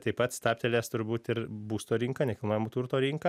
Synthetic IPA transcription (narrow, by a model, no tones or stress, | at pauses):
t̪ɐɪpɐt̪st̪ɑːpʲt̪ʲɛlʲeːst̪ʊɾbuːt̪ɪɾbuːst̪oːɾʲiŋkɐnʲɛkʲɪlˠnoːjɛmoːt̪uːɾt̪oːɾʲiŋkɐ